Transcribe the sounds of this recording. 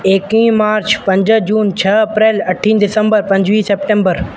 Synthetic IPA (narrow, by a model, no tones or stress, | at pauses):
eːkĩːmaːɾt͡ɕpɐ̃ɲd͡ʑəd͡ʑuːnt͡ɕʰɐɐpɾeːlɐʈʰĩnɖɪsə̃mbəɾpɐ̃ɲd͡ʑʋiːseːp̚ʈẽːmbəɾ